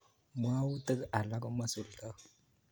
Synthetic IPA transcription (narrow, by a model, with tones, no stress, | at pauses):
mʷa˦wu˦tə˦ka˨la˦ko˦ma˦su˨lka˦